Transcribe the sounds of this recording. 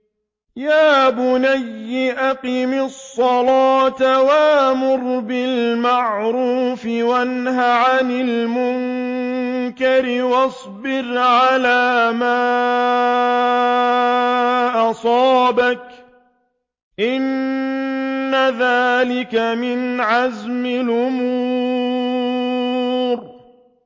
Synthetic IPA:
jaːbʊnajːɪʔaqimɪsˤːɑlɑːt̪awamʊɾbɪlmaʕɾuːfɪwanhaʕanɪlmʊŋ | kaɾɪwɑsˤbɪɾʕalaːmaː | ʔɑsˤɑːbak | ʔɪn | aðaːlɪkamɪnʕazmɪlʔʊmuː | ɾ

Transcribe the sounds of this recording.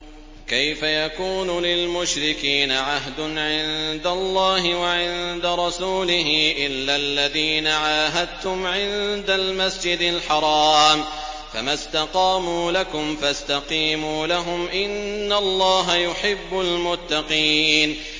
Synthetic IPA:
kajfajakuːnulɪlmʊʃɾɪkiːnaʕaɦd̪ʊnʕɪnd̪alˤːɑːɦɪwaʕɪnd̪aɾˤɑsuːlɪɦɪʔɪlːalːaðiːnaʕaːɦad̪̚t̪ʊmʕɪnd̪almasd͡ʒɪd̪ɪlħɑɾˤɑːm | famast̪aqɑːmuːlakʊmfast̪aqiːmuːlaɦʊmʔɪnːalˤːɑːɦajʊħɪbːʊlmʊt̪ːɑqiːn

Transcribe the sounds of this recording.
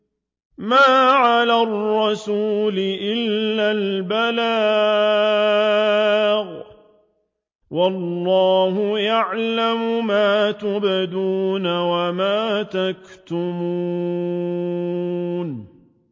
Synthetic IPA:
maːʕalaːrːɑsuːlɪʔɪlːaːlbala | ɣ | wɑlːɑːhʊjaʕlamʊmaːt̪ʊbɪd̪uːnawamaːt̪akt̪ʊmu | n

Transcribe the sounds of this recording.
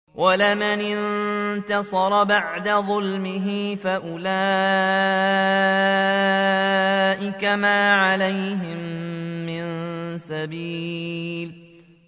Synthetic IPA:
wʔalɪmanɪnt̪ɑsˤɑɾˤɑbaʕd̪aðˤʊlmɪɦifaʔʊlaː | ʔɪkamaːʕalajɦɪmːɪnsabiːl

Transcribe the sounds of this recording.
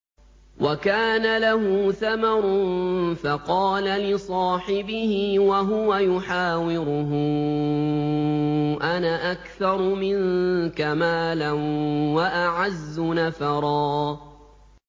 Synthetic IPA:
wʔakaːnalaɦuːθamɑɾˤʊnfaqɑːlalɪsˤɑːħɪbɪhɪwaɦʊwajʊħaːwɪɾʊɦʊ | ʔanaʔakθɑɾˤʊmɪnkamaːlɪnwaʔaʕazːʊnafɑɾˤɑː

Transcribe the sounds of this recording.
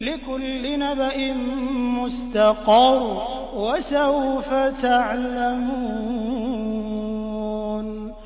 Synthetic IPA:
lɪkʊlːɪnabaʔɪnmʊst̪ɑqɑɾˤ | wasawfat̪aʕlamu | n

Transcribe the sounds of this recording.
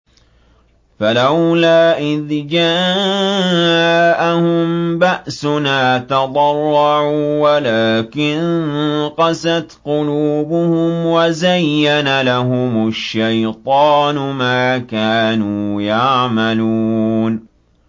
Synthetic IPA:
falawlaːʔɪðd͡ʒa | ʔahʊmbaʔsʊnaːt̪ɑd̪ˤɑrˤːɑʕuːwalaːkɪnqɑsat̪qʊluːbʊhʊmwazajːanalaɦʊmʊʃːajt̪ˤɑːnʊmaːkaːnuːjaʕmalun

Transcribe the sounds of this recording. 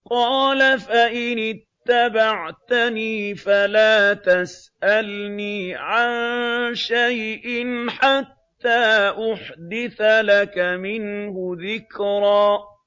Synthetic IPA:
qɑːlafaʔɪnɪt̪ːabaʕt̪aniːfalaːt̪as | ʔalniːʕanʃajʔɪnħat̪ːaːʔʊħd̪ɪθalakamɪnhʊðɪkɾˤɑː

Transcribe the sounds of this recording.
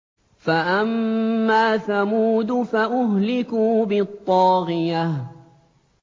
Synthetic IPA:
faʔamːaːθamuːd̪faʔʊɦlɪkuːbɪt̪ˤːɑːɣɪjah

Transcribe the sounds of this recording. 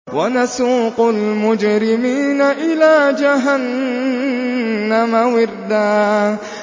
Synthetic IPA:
wanasuːqʊlmʊd͡ʒɾɪmiːnaʔɪlaːd͡ʒaɦan | amawɪɾd̪aː

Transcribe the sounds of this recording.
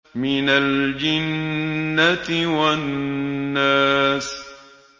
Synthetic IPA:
mɪnald͡ʒɪnːat̪wanː | aːs

